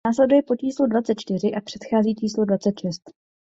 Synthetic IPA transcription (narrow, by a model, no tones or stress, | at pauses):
aːslɛdujɛpo̞t͡ʃiːsludvatt͡sɛt̪̚t͡ʃt̪ɪr̝ɪʔapr̥ɛt̪xaːziːt͡ʃiːslodvat͡sɛt̪ʃɛst̪